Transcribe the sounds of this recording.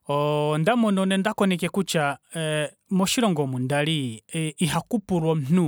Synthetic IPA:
ɔndamɔnɔnɛndakɔnɛkɛkut͡ʃa | mɔʃiɾɔŋɡɔmundaliiɦakupuɾwɔm̩n̥u

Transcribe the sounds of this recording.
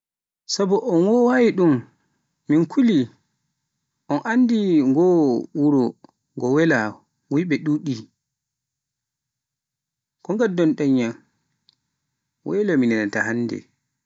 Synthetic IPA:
sabɔʔɔnwɔwawiɗum | minkʰuli | ʔɔnʔanːdiŋɡɔwuɾɔ | ŋɡɔwɛla | wujɓɛɗuɗi | kɔŋɡadɔnɗɛɲːan | wʔɛlaminɛnatahanːdɛ̰

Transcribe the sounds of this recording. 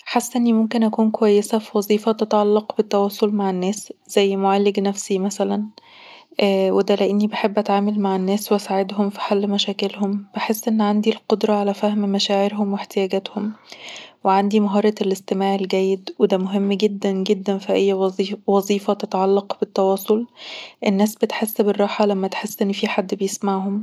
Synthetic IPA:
ħasːʔenːimomkenʔækuːnkowæjːesæfiwɑzˤiːfæt̪et̪ʕalːɑqbet̪ːæwɑːsˤolmaʕenːæːsz̥æjːmoʕalːeɡnæfsimæsælæn | ʔwed̪ælæʔenːibeħebːʔæt̪ʕaːmælmaʕenːæːsweʔæsaːʕed̪ɦomfi̥ħalːmæʃæːkelhomb̥eħesːʔenːʕand̪ilqod̪ɾˤɑʕalæfæhmmæʃæːʕeɾɦomweħt̪ejæːɡæːt̪hom | weʕand̪imæɦɑːɾˤɑelʔest̪emaːʕelɡæːjːed̪wed̪æmoɦemːɡed̪ːænɡed̪ːænfiʔæjːwɑzˤiːfæt̪et̪ʕalːɑqb̥et̪ːɑwɑːsˤolʔenːæːsbet̪ħesːberˤːɑːħɑlæmːæt̪ħesːʔenːfiːħad̪ːbejesmaʕɦom

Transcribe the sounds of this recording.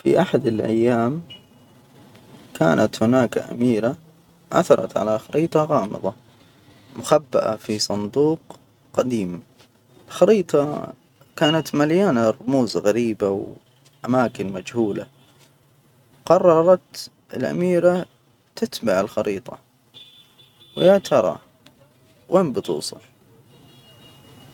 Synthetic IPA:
fḭʔaħad̪ɪlʔa̰jːaːm | ka̰ːnʔat̪hʊnaːkʔa̰miːɾa | ʔa̰θɑɾˤɑ̰t̪ʕa̰laxɑɾiːt̪ˤɑɣɑːmɨ̰ðˤɑ | mʊxabːaʔa̰fisˤɑnd̪uːq | qad̪iːm | ɪlxɑɾiːt̪ˤɑ | kaːnat̪maljaːnarˤːʊmuːzɣaɾiːbaw | ʔamaːkɪnmad͡ʒhuːla | qɑrˤːɑɾˤɑt̪ | ɪ̰lʔa̰miːɾa | t̪ɪt̪baʕɪlxɑɾiːt̪ˤɑ̰ | wɪʕt̪ʰɑɾˤɑ̰ | weːmbɨt̪ˤṵːsˤɑ̰

